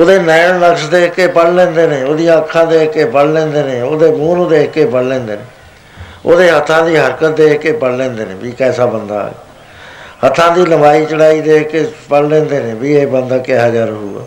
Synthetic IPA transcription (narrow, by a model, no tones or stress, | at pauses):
oːd̪eːnɛːɳnəksd̪eːkkeːpəɽlɛ̃ːnd̪eːnẽːoːd̪ijãəkʰːãːd̪eːkːeːpəɽlɛ̃ːnd̪eːnẽːoːd̪eːmũːnod̪eːkːeːpəɽlɛ̃ːnd̪eːneː | o̰ːd̪eːɦət̪ʰːãːd̪iːɦəɾkət̪̚d̪eːkeːpəɽlɛ̃ːnd̪eːnḛ̃ːbiːkɛːsaːbənd̪a̰ː | hət̪ʰːãːd̪iːləbaːiːt͡ʃəɽaːiːd̪eːkeːpəɽlɛ̃ːnd̪eːnẽːbiːeːbənd̪aːkeɦaːd͡ʒaːɾɦṵːɡa̰ː